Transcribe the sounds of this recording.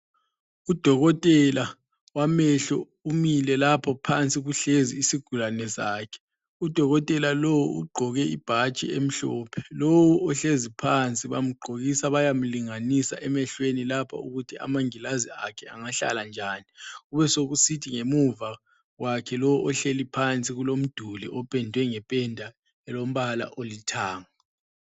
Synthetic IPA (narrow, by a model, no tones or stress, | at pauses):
ud̥ʱɔɣɔtʼɛla | wamɛɬɔ | umilɛlapʰɔpʰant͡sʼiɣuɬezḭːsiɡ̥ʱulanɛsaːkʰɛ̥ | ud̥ʱɔɣɔtʼɛlalowuʔṵɡ͡ǃʱɔɣɛib̥ʱat͡ʃʼḭem̩ɬɔ̰ːpʰɛ̥lowuʔɔɬezipʰant͡sʼiβam̩ɡ͡ǃʱoɣisaβajam̩liŋanisa̰ʔɛmɛɬwenilapʰa̰uɣutʰiʔa̰maŋilaziakʰɛaŋaɬa̰land͡ʒʱaːniɣuβɛsoɣusitʰiŋemuva | wakʰɛlɔwuʔɔɬelipʰant͡sʼiɣulom̩d̥ʱuliʔɔpʼɛndʱwɛŋɛpʼɛndʱa | ɛlom̩βala̰ʔolitʰaːŋa